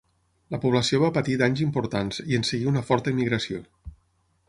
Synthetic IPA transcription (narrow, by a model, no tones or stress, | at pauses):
ləpuβləsioβ̞apət̪id̪aɲzimpuɾt̪anziənsəɣiunəfɔɾt̪əimːiɣɾəsio